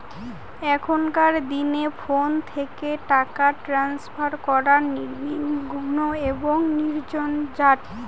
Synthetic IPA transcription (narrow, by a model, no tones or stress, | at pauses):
ɛkʰonkaɾd̪inefont̪ʰekeʈakaʈɾanspʰaɾkɔɾaniɾminɡʱonoeboŋniɾd͡ʑond͡ʑaʈ